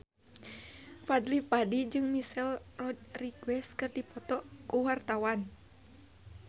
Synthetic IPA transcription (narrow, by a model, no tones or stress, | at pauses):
fadlipadid͡ʒɨŋmisɛlrɔd̚riɡwɛskɨrdipɔt̪ɔkuwart̪awan